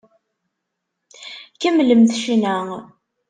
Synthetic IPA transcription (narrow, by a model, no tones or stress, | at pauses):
kæmləmθʃinæŋ